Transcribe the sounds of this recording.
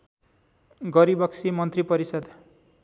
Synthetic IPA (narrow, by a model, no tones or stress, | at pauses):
ɡʌɾibʌksʰimʌnt̪ripʌɾisʌd̪